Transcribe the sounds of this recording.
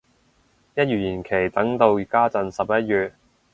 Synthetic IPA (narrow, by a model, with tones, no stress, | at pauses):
jɐ˥t̚yː˨t̚jiː˨˩nkʰe˨˩jt̪ɐ˨˥ŋt̪o˧wkaː˥t͡sɐ˨nsɐ˨p̚jɐ˥t̚jyː˨t̚